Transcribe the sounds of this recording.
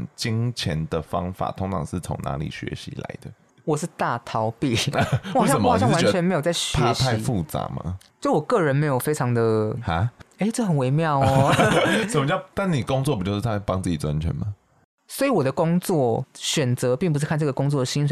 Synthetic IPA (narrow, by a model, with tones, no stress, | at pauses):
nt͡ɕi˦ŋt͡ɕʰjɛ˧˦nd̪ə˨fɑ̰˦ŋfa̰˨˩t̪ʰʊ˧˥ŋt͡sʰɑ̰˨˩ŋʂɻ̩˥˩t͡sʰo̰˧˥ŋna̰˧˥lḭ˨˩ɕɥɛ̰˧˦ɕḭ˧˥la̰˧˦ɪd̪ə˨ | wɔ˨˩ʂ̬̩˥˩˧t̪a˥˩t̪ʰɑ˨˥˦ʊpi˥˩wjɑsə˨˩m˩˧˨ɕjwa˦n˧t͡ɕʰɛ˧˦nme˧˥ɪjo˨˩ʊt͡sa˥˩ɪɕɥpʰɛ˧˥ɕpʰa˥˧ɪ˦fu˥˨t͡sa̰˨˧˥ma̰˨˧t͡ɕji˧˩wɔ˨˩kɤ˥˩ɻə˧˦nme˧˥ɪjo˨˩fe˥ɪʈ͡ʂʰɑ˧˥ŋd̪ə˨ha˦e˥ɪʈ͡ʂɤ˥˩xə˨˩nwe˧˥ɪmjɑ˥˩ʊ | ʂə˨˩mə˦t͡ɕt̪a˥˩nni˨˩kʊ˥ŋt͡swɔ˥˩pi˨˩t͡ɕo˥˧ʂ̩˥˩t͡sa˥˩pɑ˥˦ŋt͡s̩˥˩t͡ɕi˨˩t͡sa˦nt͡ɕʰɥɛ̰˧˦nma˨ | swɔ˧˥i˧˥wɔ˨˩ɾə˦kʊ˥ŋt͡swɔ˥˩ɕɥɛ˨˩nt͡sɤ˧˦pi˥˩ŋpu˧ʂɻ̩˥˧kʰa˥˧nʈ͡ʂɤ˥˩ɡə˩kʊ˥ŋt͡swɔ˥˩d̪ə˩ɕi˥nʂə˧˦